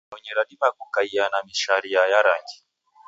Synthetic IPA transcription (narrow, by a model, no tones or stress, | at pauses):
ɛɲɛɾaɗimakukaianamiʃaɾiajaɾaŋɡi̥